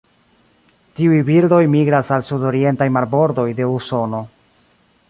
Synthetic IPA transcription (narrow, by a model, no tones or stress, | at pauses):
tiujbildo̞jmiɡɾasalsudo̞ɾie̞ntajmaɾbo̞ɾdo̞jde̞uso̞no̞